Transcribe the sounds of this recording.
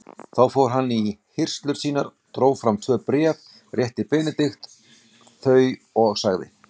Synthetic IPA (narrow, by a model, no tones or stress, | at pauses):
θawfoːwɾ̥ɦanːihɪr̥st̪lʏɾ̥siːnaɾ̥t̪ɾoːwfɾamt̪ʰvœːpɾɛːv | rjɛht̪ɪpɛːnɪt̪ɪxt̪ | θœːɥɔɣsaɣðɪ̰